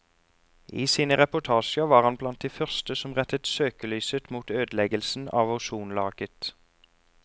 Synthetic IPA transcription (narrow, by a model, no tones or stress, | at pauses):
iːsiːnəʁɛpʊt̪ʰɑːʃəʋɑːʁɑnblɑnt̪̚d̪iːfœʁst̪əsɔmʁɛt̪ət̪søːkəlyːsət̪muːt̪øːd̪lɛɡəlsn̩ɑ̰ːʋɑʊʃuːnlɑːɡ̥ət̪